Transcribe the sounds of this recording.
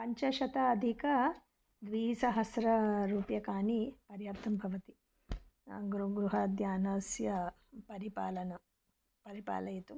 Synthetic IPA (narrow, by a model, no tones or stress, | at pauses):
pɐɲt͡ʃɐʃɐt̪ɐɐd̪ʱikɐ | d̪ʋiːsɐɦɐsɾɐɾuːpjɐkaːnipɐɾjaːp̚t̪ʰɐmbʱɐʋɐt̪i | ɡɾuɡɾuɦɐːd̪jaːnɐsjɐ | pɐɾipaːlɐnɐ | pɐɾipa̰ːlɐjt̪u